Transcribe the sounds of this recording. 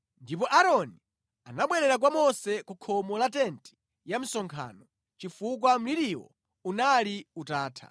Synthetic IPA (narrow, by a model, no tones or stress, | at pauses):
ndipɔʔaɾɔni | anaɓwɛɾɛɾak̬wamɔsɛkukʰɔmɔlatɛnti̥ | jam̩sɔŋkʰa̰ːnɔ | t͡ʃifuk̬wam̩liɾiwɔ̰ | unaliutaːtʰa̰